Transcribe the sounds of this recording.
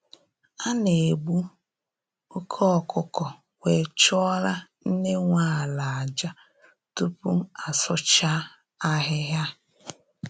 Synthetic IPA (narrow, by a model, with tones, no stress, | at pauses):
a˦ne˨ɡ͡bu˦ | kʰɔ˦ɔ˦˨kʊ˨kɔ˨ | we˨t͡ʃɔ˦ɾa˦n̩˦ne˦ŋʷa˦˨la˨a˨d͡ʒa˦ | tu˦pu˦a˨sʊ˦t͡ʃa˦ | a˦ɦɪ˦ɦja˦